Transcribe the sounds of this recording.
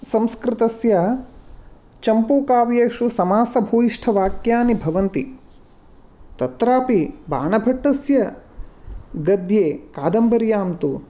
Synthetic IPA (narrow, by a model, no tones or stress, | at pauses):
sɐmskɾɪt̪ɐsjɐ | t͡ʃɐmpuːkaːʋjeːʂusɐmaːsɐbʱuːiʂʈʰɐʋaːkjaːnibʱɐʋɐnt̪i | t̪ɐt̪ɾaːpiba̰ːɳɐbʱɐʈːɐsjɐ | ɡɐd̪jeːkaːd̪ɐmbɐɾjaːmt̪u